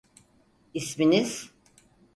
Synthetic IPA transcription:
isminiz̥

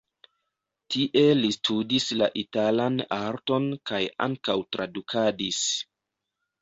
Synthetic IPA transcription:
tʰiʔe̞listʰudisla̰ʔitalanaɾto̞nkaja̰ŋkawtɾadukʰadis

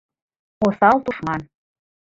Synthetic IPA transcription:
osɑlt̪uʃmɑn

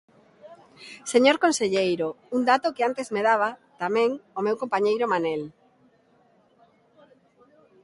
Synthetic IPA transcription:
seɲoɾkonseʎejɾo | und̪at̪okeant̪ezmeð̞aβ̞at̪amɛ̃ŋomewkompaɲejɾomanel

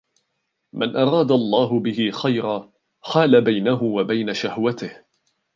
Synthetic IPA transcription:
manʔɑɾˤɑːd̪alˤːɑːɦʊbɪhɪxajɾaː | xaːlabajnaɦʊwabajnaʃahwat̪ɪh

